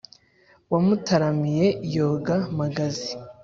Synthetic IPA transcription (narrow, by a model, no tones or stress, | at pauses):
wamutaɾamije̞joɡamaɡazi